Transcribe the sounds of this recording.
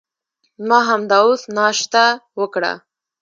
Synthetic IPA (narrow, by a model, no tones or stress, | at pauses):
mɑɦamd̪ɑosnɑʃt̪awəkɽa̰